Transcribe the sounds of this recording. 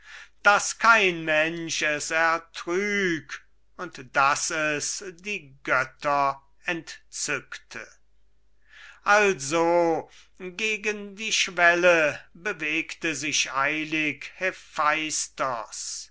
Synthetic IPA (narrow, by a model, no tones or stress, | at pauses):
d̥askʰaɪnmɛnʃɛsɛɐtʁyːk | ʊntd̥asɛsdiːɡœtɐ | ɛntt͡sʏktʰə̰ | ʔalzo | ɡeːɡəndiːʃv̥ɛləbəveːktəzɪʃaɪlɪkhefaɪstɐs